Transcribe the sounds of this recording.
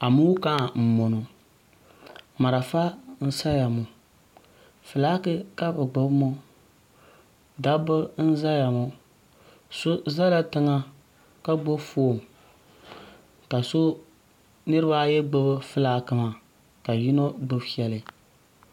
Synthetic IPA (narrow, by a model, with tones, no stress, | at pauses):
a˨mu˦ka˦˨m̩˨mo˨no˨ | ma˨ɾa˨fa˦n̩˦sa˦ja˨mʊ˨ | fɨ˨laː˦kɨ˦ka˦bɨ˨ɡ͡bʊ˦bmo˦ | da˦bɨ˦n̩˦za˦ja˨mʊ˨ | so˦za˦la˦tɨ˦ŋa˦ | ka˦ɡ͡bo˦fo˦˨m | ka˨so˦ | nɨ˦ɾɨ˦ba˦jɛ˦ɡ͡bɨ˦bɨ˦fɨ˦laː˦kɨ˦ma˨ | ka˨ji˦no˦ɡ͡bɨ˦bi˦ɛ˦lɨ˨